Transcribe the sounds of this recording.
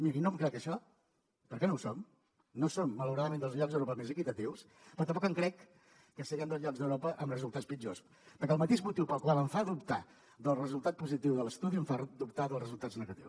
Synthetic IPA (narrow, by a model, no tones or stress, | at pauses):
miɾinomkɾɛkəʃɔ | pəɾkɛnowsom | nosomːələwɾaðəmend̪əlˠzʎɔɡzðəwɾopəmezəkit̪ət̪iws | pɾɔt̪əmpɔkəŋkɾɛkː | əsəɣənd̪əlzʎɔɡzðəwɾɔpəʔəmrəzulˠt̪at͡sspid͡ʒos | pəɾkɛəlˠmət̪eʒmut̪iwpəlˠkwalˠəɱfaðupt̪a | ðəlˠrəzulˠt̪at̪̚puzit̪iwðələst̪uðiəɱfaðup̚t̪aðəlˠrəzulˠt̪aznəɣət̪iws